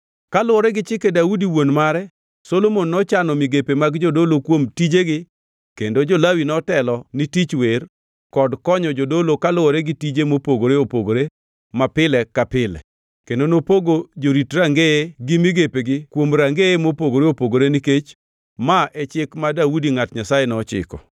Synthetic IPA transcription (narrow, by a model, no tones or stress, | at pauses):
kalʊwɔɾɛɡɪt͡ʃɪkedaudiwonmaɾɛ | solomonːɔt͡ʃanɔmɪɡepemaɡd͡ʒodolokwomtid͡ʒeɡɪ | kendod͡ʒolawinɔtɛlɔnitit͡ʃwer | kɔdkɔɲɔd͡ʒodolokalʊɔɾɛɡɪtid͡ʒemopoɡoɾeopoɡoɾe | mapɪlɛkapɪlɛ̰ | kendonopoɡod͡ʒoɾitɾaŋɡeeɡɪmiɡepeɡɪkwomɾaŋɡeemopoɡoɾeopoɡoɾeniket͡ʃ | maʔɛt͡ʃɪkmadaudiŋatɲasajenɔt͡ʃɪ̰kɔ